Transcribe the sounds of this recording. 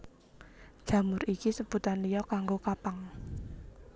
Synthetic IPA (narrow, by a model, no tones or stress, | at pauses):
ʒ̥ä̤mʊɾikisəb̥ut̪anlijɔkaŋɡokapaŋ